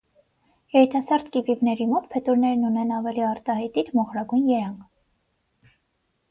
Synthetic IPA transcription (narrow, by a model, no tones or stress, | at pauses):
jɛɾit̪ɑsɑɾt̪kivivnɛɾimɔt̪̚pʰɛt̪uɾnɛɾnunɛnɑvɛliɑɾt̪ɑhɑjt̪it̪mɔχɾɑɡujnjɛɾɑŋkʰ